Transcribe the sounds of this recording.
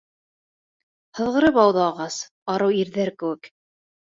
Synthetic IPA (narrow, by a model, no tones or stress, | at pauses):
hɤ̆ðʁɤ̆ɾɤpɑwðɑɑʁɑs | ɑɾɤwiɾðæɾkɘ̆wɘk